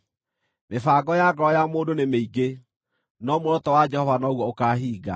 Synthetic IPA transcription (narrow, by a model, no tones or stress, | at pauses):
mefaːɡɔjaɡɔɾɔjamoːdonemeiɡe | nɔmoɾɔtɔwad͡ʒɛhɔvanɔɣwɔokaːɦiːɡa̰